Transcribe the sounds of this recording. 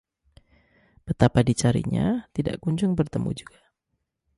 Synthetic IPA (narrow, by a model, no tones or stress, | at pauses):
b̥ət̪apadit͡ʃaɾḭɲa̰t̪ida̰ʔkuɲd͡ʒʊŋbərt̪əmṵd͡ʒuɡ̥a